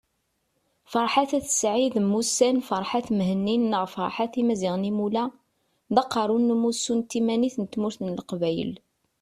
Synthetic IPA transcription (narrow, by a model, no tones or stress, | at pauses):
fəɾˤħaθæθə̥sʕiðmːusænfəɾˤħaθmhənːinːəʁfɑ̰ɾˤħaθimæziʁnimulæ | ðɑqːɑɾˤunːmːusːunt̪ːimæniθnət̪ːmuɾθnəlqvæjə̰l